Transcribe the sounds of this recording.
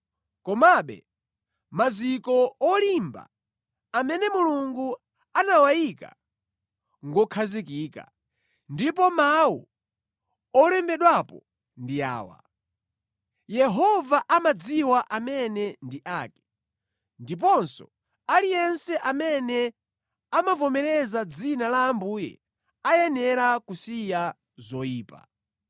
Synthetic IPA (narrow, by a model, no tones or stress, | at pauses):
kɔmaɓɛ̰ | mazikɔɔlimba̰ | amɛnɛmuluŋɡu | anawajika̰ | ŋɡɔkʰazikiːka̰ | ndip̬ɔmawu | ɔlɛmbɛɗwapɔ | ndija̰ːwa̰ | jɛɦɔvaʔamad͡ziwaʔamɛnɛndiʔaːkɛ̥ | ndip̬ɔnsɔ̰ | alijɛnsɛʔamɛnɛ | amavɔmɛɾɛzad͡zinalaːmbuːjɛ̰ | ajɛnɛɾakusija | zɔiːpa̰